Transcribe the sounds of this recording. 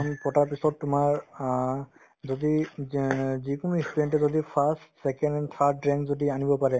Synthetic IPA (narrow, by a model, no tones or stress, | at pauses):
ɔnpɔtaɹpisɔtːʊmaɹ | zodi | zikunuistuɛntɛzodipʰastsɛkɛndɛnt̪ʰaɹɛŋzodianibɔpaɹɛ